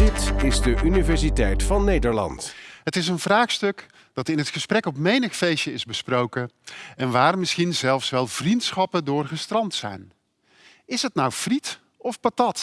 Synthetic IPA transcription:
dɪtɪzdəʔynivɛɹsitɛjtfɑnːejdəɹlɑ̰ntɦətɪs̬ənvraːχstɵk | d̥ɑtɪnɦətχəsprɛkɔpmejnəχfejʃəɪzbəsprowkəɛnʋaːrmɪsχinzɛlˠfsʋɛlˠv̥rintsχɑpədʊːrχəstrɑntsɛ̰jn | ɪsətnawv̥rit | ɔfpatɑt

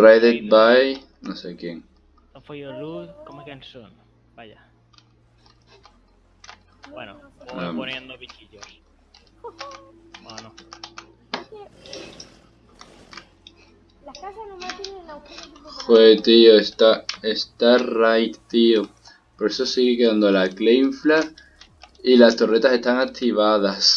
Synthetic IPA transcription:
rajðet̪̚baj | nosekjeŋ | am | xoet̪ioest̪aest̪arajt̪t̪io | poɾesosiɣekeðand̪olaklejɱfla | ilast̪o̞ret̪ase̞st̪aŋak̚t̪iβ̞aðas

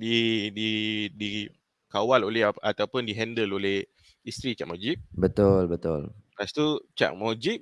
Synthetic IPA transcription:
dididi | kawaloleɦat̪awpʊndiɦɛndəloleh | ist̪ɾit͡ʃa̰ʔmɔd͡ʒiʔ̚bət̪ʊlbət̪ʊlɾast̪ut͡ʃa̰ʔmɔd͡ʒiʔ̚

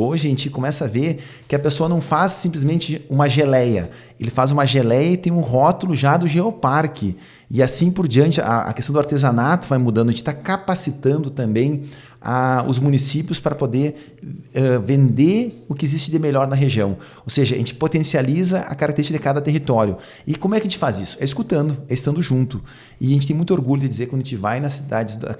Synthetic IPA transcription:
oʒɪẽnt͡ʃɪkomɛsɐaveɾ | kɪɐpesoɐnɐ̃w̃fasːĩmplɪzmẽnt͡ʃɪũmɐʒelɛjɐ̰ | elɪfazũmɐʒelɛjɐɪt̪ẽj̃ʊ̃ɦɔt̪ʊlʊʒad̪ʊʒeopaɾkʰɪ | ɪasĩpoɾd͡ʒiɐ̃nt͡ʃɪaa̰kest̪ɐ̃w̃d̪ʊaɾt̪ezanat̪ʊvajmud̪ɐ̃d̪ʊẽt͡ʃɪ̥t̪akapasit̪ɐ̃nd̪ʊt̪ɐ̃mbẽj̃ | a̰ʊ̰zmũnisipjʊspɾɐpod̪eɾ | ɛvẽnd̪eʊkɪɪzist͡ʃɪd̪ɪmeʎɔɾnɐɦeʒiɐ̃w̃ | owseʒɐʒẽnt͡ʃɪ̥pot̪ẽsializɐʔɐ̰kaɾakt̪eɾiʃkɐd̪ɪkad̪ɐt̪eɦit̪ɔɾjʊ | ɪkõmʊɛkɐʒẽt͡ʃɪfazisʊ̥ɛɪskut̪ɐ̃nd̪ʊɛɪst̪ɐ̃nd̪ʊʒũnt̪ʊ | ɪʒẽtt͡ʃɪt̪ẽmũj̃t̪oɾɡuʎʊd̪ɪd͡ʒizeɾkwɐ̃d̪ẽt͡ʃɪvajnɐsid̪ad͡ʒɪz̰

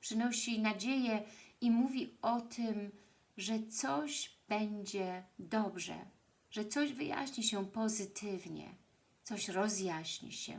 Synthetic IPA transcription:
pʂɘnɔɕinad͡ʑejɛimuvʲiɔt̪ʰɘm | ʐɛt̪sɔʑb̥ɛɲd͡ʑɛd̪ɔbʐɛ̰ | ʐɛt̪sɔʑvɘja̰ɕɲiɕɛpɔzɘt̪ʰɘvɲɛ̰ | t̪sɔɕɾɔzjaɕɲḭɕɛ̰

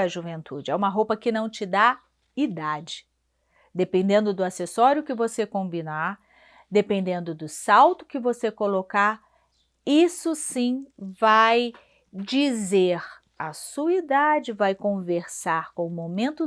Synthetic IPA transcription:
ɐʒuvẽnt̪ud͡ʒɪɛũmɐɦowpɐkɪnɐ̃w̃t͡ʃɪd̪a | id̪ad͡ʒɪ | d̪epẽnd̪ẽnd̪ʊd̪ʊasesɔɾjʊkɪvosekõbĩnaɾ | d̪epẽnd̪ẽnd̪ʊd̪ʊsawt̪ʊ̥kɪvosekolokaɾ | isʊsĩvaj | d͡ʒizeɾ | ɐsuɐid̪ad͡ʒɪvajkõveɾsaɾkõʊmomẽnt̪ʊ

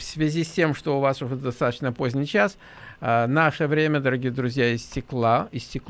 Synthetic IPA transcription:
fsvʲɪzʲisʲtʲe̞mʂt̪oʊvasʊʐɛd̪ɐst̪at̪ət͡ɕnəpozʲnʲɪjt͡ɕas | ənaʂəvɾʲemʲəd̪əɾɐɡʲijəd̪ɾʊzʲjaɪsʲtʲɪklˠaɪsʲtʲɪk

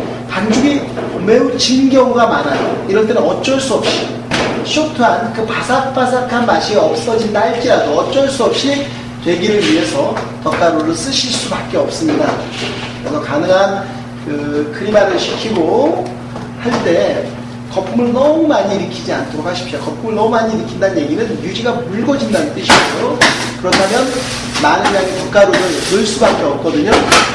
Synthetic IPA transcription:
pand͡ʑuɡi | me̞ut͡ɕinɡjʌŋɡamanajo̰iɾʌnt͈e̞nɯnʌt͡ɕ͈ʌɭs͈uʌp̚ɕ͈i | ɕʰok̚tʰuankɯpasʰak̚p͈as̬ʰakʰanmaɕʰiʌp̚s͈ʌd͡ʑintaɭt͡ɕ͈iɾadoʌt͡ɕ͈ʌɭs͈uʌp̚ɕ͈i | twe̞ɡiɾɯɭɥiɦe̞sʰʌ | tʌt͈aɾoɾɯɭs͈ɯɕʰiɭs͈ubak̚k͈e̞ʌp̚s͈ɯmɲida̰ | kɯɾe̞sʰʌkanɯŋɦan | kɯkʰɯɾimaɾɯɭɕʰi̥kʰiɡo | haɭt͈e̞ | kʌp̚k͈umuɭnʌmumaɲiɾɯkʰid͡ʑiantʰɯɾok̚ʰaɕʰi̥p̚ɕ͈okʌp̚p͈umɯɭnʌmumaɲiɾɯkʰindanɯnje̞ɡinɯnjud͡ʑiɡamuɭɡʌd͡ʑindanɯnt͈ɯɕʰiejokɯɾʌtʰamjʌn | manɯnjaɡitʌk͈aɾoɾɯɭnɯɭs͈ubak͈e̞ʌp̚k͈ʌdɯɲo

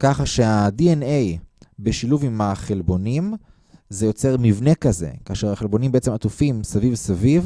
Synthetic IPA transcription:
kaχaʃe̞adienejbe̞ʃiluvimaχe̞lbo̞nim | zejo̞t͡se̞ʁmivne̞kaze̞̰kaːʃe̞ʁaχelbo̞nimbeʔet͡semat̪ufimsavivsaviv

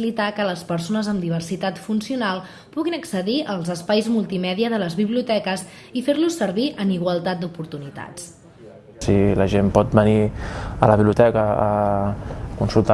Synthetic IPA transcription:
ilit̪akələspəɾsonəzəmd̪iβ̞ərsit̪at̪funsiunalˠ | puɣinəksəðiəlˠzəspajzmulˠt̪imɛðiəðələzβiβliut̪ɛkəz | ifeɾlusəɾβiʔəniɣ̞wəlˠt̪at̪̚d̪upuɾt̪unit̪a̰t͡s | siləʒempɔt̪̚bəniələβiβliut̪ɛkəː | kunsulˠt̪a

